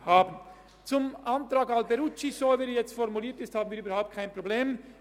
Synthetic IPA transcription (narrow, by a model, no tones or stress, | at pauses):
hɑːbən | t͡sʊmɑnt̪ɾɑɡɑlbɛɾut͡ʃisɔvɛɾjɛt͡st̪fɔɾmuliːɾt̪jɛst̪hɑbənviɾybəɾhaʊp̚t̪̚kʰɑjnpɾɔblem